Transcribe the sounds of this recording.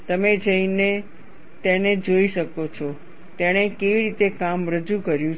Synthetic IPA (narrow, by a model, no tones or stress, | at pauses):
t̪əmed͡ʒəine | t̪eñed͡ʒoiʃəkot͡ʃʰɔ | t̪eɽ̃ekeʋiɾit̪ekamɾəd͡ʒukəɾjũ